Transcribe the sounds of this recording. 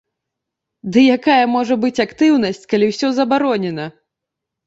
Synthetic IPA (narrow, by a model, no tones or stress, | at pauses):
d̪ɨjakajɐmɔʐɐbɨt͡sʲakt̪ɨwnɐsʲt͡sʲkalʲiwsʲɔzɐbaɾɔnʲɛnɐ